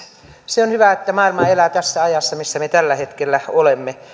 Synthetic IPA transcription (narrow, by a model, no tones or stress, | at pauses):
seonhyʋæet̪ːæmɑˑilmɑelæt̪æsːæɑjɑsːɑmisːæmet̪ælːæhet̪kelːæolemːe